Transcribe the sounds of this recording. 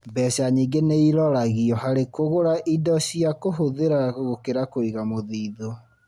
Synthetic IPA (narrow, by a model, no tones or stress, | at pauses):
bɛɕaɲiɡeneiɾɔɾaɣiɔhaɾekoɣoɾaʔidɔɕiakoɦoðeɾaɣokeɾakoiɣamoðiːðo